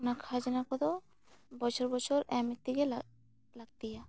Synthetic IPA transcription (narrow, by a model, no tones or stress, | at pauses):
nakʰad͡ʑanakɔt̪ɔ | bɔt͡ʃʰɔɾbɔt͡ʃʰɔɾɛmit̪ːikela | laɡ̚t̪ija